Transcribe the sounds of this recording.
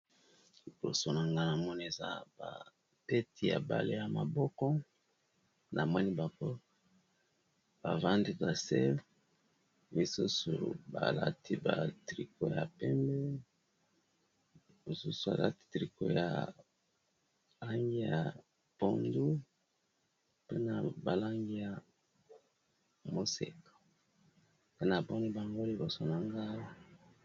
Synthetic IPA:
bo˨so˨na˨ŋɡa˦na˨mɔ˦ni˨e˨za̰˦ba̰˨ | pɛ˦tʰi˦˨ja˨ba̰˨le˦ja˨ma˨bɔ˦kɔ˦ | nʔa˨mwa˦ni˦ba˨ko˦ | b̥a˨va˦ndi˦ba˨sɛ˦ | mi˨su˦sṵ˨ba̰˨la˦ti˦ba˨tʁi˨ko˦ja˨pɛ˦mbɛ˦ | mo˨su˦su˨a̰˨la˦ti̥˨tʁi˨ko˨ja̰˨ | la˦ŋɡi˦ja̰˨ | b̥o˦˨ndu˦ | pe˦na˨ba˨la˦ŋɡi˦ja˨ | mo˦se˨ko̥˨ | pe˦na˨bo˦ndu˦ba˨ŋɡo˦li˨bo˨so˨na˨ŋɡa˦i˦

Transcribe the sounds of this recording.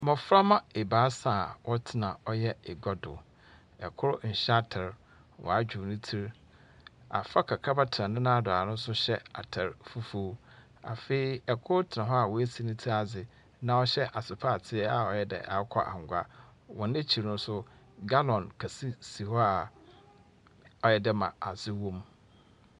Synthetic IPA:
mɔ̃˨fɾa˦mã˦e˨baː˨˦saː˨wʔɔ˦tʰɪ˦nã˨ɔ˦jɛ˦ɛ˨ɡɔ˦dʊ̰˨ | ɛ̰˨kʰʊ˦ɾʊ˦ɲ̩˨ɕɛ˦tʰɛ˨ɾ | wʔɔ̰˨a˦d͡ʑᶣu˨nĩ˦tʰi˦ɾ | a̰˨fa˦kʰa˨kʰa˦ba˦tʰɪ˨ã˨nʊ̃˦nã˦a˦˨dʊ˨a̰˨nʊ̃˦sʊ˦ɕɛ˦a̰˨tʰɛ˨ɾfu˦fu˦ | a̰˨fe˦i˦ɛ˨kʰʊ˦ɾʊ˦tʰɪ˨nã˨ɦɔ˦a˨wɔ˨e˦si˨nĩ˦tʰi˦ɾa˨d͡zɪ˨ | nã˨ɔ˦ɕɛ˦ʔa˨sɪ˨pʰa˦˨tʰɪ˦ɛ˦a˨ɔ˨jɛ˦dɛ̰˨ʔa̰˨˦kʷʰɔ̰˦ʔa̰˨ŋ˨ɡʷa˦wɔ̃˨nɪ̃˦t͡ɕʰi˨ɾnʊ̃˦sʊ˦ | ɡa˦lɔ̃˨nkʰa˨si˦si˨hɔ˦a˨ | ɔ˨jɛ˨dɪ˦mã̰˨a˨sɪ˦wõ˦m

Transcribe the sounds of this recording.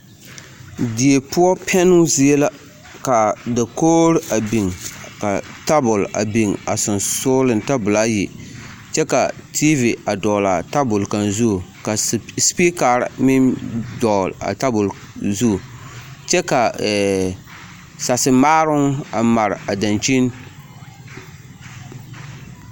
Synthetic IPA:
di˨e˨pʊ˦ɔ˦pʰɛ˦nʊ˦zi˦e˦la˦ | ka˨da˨koː˦ɾɪ˦a˨bi˨ŋka˨ta˦bʊ˨la̰˨bi˨ŋa˨sʊ˨nso˦lɨ˨nta˦bʊ˨la˦ji˨ | t͡ʃɛ˦ka˨tʰi˦vi˨a˨dɔː˨la˨ta˦bʊ˨lka˨nzu˦˨ka˨spi˦ka˨ɾmɪ˦ndɔ˨la̰˨ta˦bʊ˨l | zu˦˨t͡ʃɛ˦ka˨ | sa˨sɨ˨maː˦ɾʊ˦ŋa˨ma˨ɾɪ˨a˨da˨nt͡ʃi˦n

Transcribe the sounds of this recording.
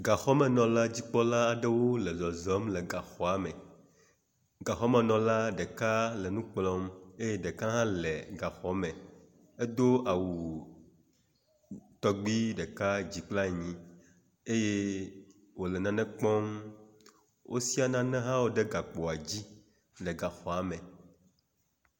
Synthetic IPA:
ɡa˨xɔ˦mɛ̃˨nɔ̃˨la˦d͡ʑi˦k͡pɔ˦la˦a˨ɖɛ˦wo˦lɛ˨zɔ˨zɔ˨˦mlɛ˨ɡa˨xɔ˨a˨mɛ˨ | ɡa˨xɔ˦mɛ̃˨nɔ̃˨la˦ɖɛ˨ka˦lɛ˨nũ˦k͡plɔ˦me˦je˦ɖe˨ka˦ɦã˦lɛ˨ɡa˨xɔ˦mɛ̃˨ | e˦d̪o˦a˨wu˨ | t̪ɔ˦ɡ͡bi˦ɖɛ˨ka˦d͡ʑi˨k͡pla˦ɲĩ˦ | e˦je˦ | wo˨lɛ˨nã˦nɛ̃˦k͡pɔ̃˦m | wʔo˦si˦a˨nã˦nɛ̃˦ɦã˦wo˦ɖe˦ɡa˨k͡pɔ˨a˨d͡ʑi˦ | le˨ɡa˨xɔ˨a˨mɛ˨

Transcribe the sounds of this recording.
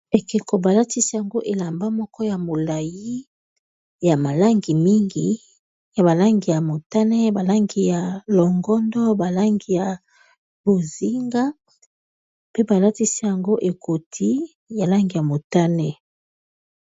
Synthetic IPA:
e˨ki˨ko˨ba˨la˦ti˦si˦ja˨ŋɡo˦ʔe˨la˨mba˦mɔ˦kɔ˦ja˨mo˨la˨ji˦ | ja˨ma˨la˦ŋɡi˨mi˦ŋɡi˨ | ja˨ba˨la˦ŋɡi˨ja˨mo˨ta˦nɛ˦ba˨la˦ŋɡi˨ja˨lɔ˨ŋɡɔ˦ndɔ˦ba˨la˦ŋɡi˨ja˨ | b̥o˨zi˦ŋɡa˦ | pe˦ba˨la˦ti˦si˦ja˨ŋɡo˦ʔe˨kʰo˨tʰi˦ | ja˨la˦ŋɡi˨ja˨mo˨ta˦nɛ˦

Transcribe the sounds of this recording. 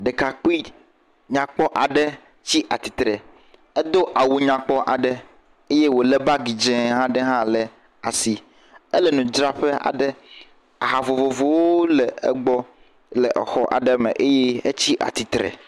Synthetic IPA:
ɖɛ˨ka˨k͡pi˦ | ɲã˨k͡pɔ˦ʔa˨ɖɛ˦ | t͡ɕi˦ʔa˨t̪i˨t̪ɾɛ˨ | ɛ˦d̪o˦ʔa˨wu˨ɲã˨k͡pɔ˦ʔa̰˨ɖɛ˦ | e˦je˦wo˨lɛ˦ba˦ɡi˨d͡ʒɛ̃˦ɦã˦ɖɛ˦ɦã˦lɛ˨ | a˨si˨ | ɛ˦lɛ˨nũ˨d͡ʒɾa˦ɸe˦a̰˨ɖɛ˦ | a̰˨ɦa˨vo˨vo˨vo˦wo˦lɛ˨ɛ˦ɡ͡bɔ˦ | lɛ˨ʔɛ̰˨xɔ˦ʔa̰˨ɖɛ˦mɛ̰̃˨ʔe˦jɛ˦e˦t͡ɕi˦ʔa̰˨t̪i˨t̪ɾɛ̰˨

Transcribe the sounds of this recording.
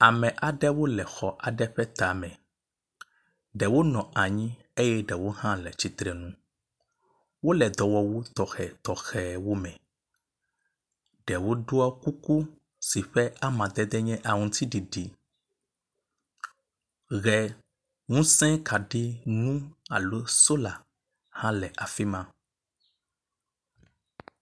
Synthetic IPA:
a˨mɛ̃˨ʔa˨ɖɛ˦wo˦lɛ˨xɔ˨ʔa˨ɖɛ˦ɸɛ˦t̪a˨mɛ̃˨ | ɖɛ˨wo˦nɔ̃˨a˨ɲĩ˦ | e˦jɛ˦ɖɛ˨wo˦hã˦lɛ˨t͡ɕi˦t̪ɾɛ˨nũ˦ | wo˦lɛ˨d̪ɔ˨wɔ˨wo˦t̪ɔ˨xɛ˨t̪ɔ˨xɛ˨wo˦mɛ̃˨ | ɖɛ˨wo˦ɖo˦a˦ku˦ku˦ | si˨ɸɛ˦a˦mã˨d̪ɛ˦d̪ɛ˦ɲɛ̃˦ʔa˨ŋũ˨t̪i˦ɖi˨ɖi˨ | ɣɛ˨ | ŋũ˦sɛ̃˦ka˨ɖe˦ŋũ˦a̰˨lo˦so˦la˨ | hã˦lɛ˨ʔa˨fi˦mã˦

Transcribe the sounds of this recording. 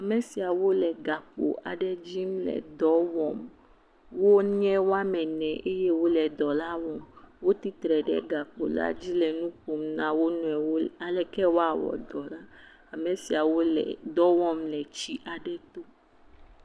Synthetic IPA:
a˨me˨si˨a˨wo˦lɛ˨ɡa˨k͡po̰˨ʔa˨ɖɛ˦d͡ʑi˦mlɛ̰˨d̪ɔ˦wɔ˨m | wo˦ɲɛ̃˦wo˦a˦mɛ̃˨nɛ̃˨ʔe˦je˦wo˦lɛ˨d̪ɔ˨la˦wɔ˨mwo˦t̪i˦t̪ɾɛ˨ɖɛ̰˦ɡa˨k͡po̰˨la̰˦d͡ʑi˦lɛ˨nũ˦ɸo˨mnã˦wo˦nɔ̃˨ɛ˨wo˦a˨lɛ˨kɛ˦wo˦a˨wɔ̰˨d̪ɔ˨la˦ | a˨me˨si˨a˨wo˦lɛ̰˨d̪ɔ˦wɔ˦˨mlɛ˨t͡ɕi˦ʔa˨ɖɛ˦t̪o˦

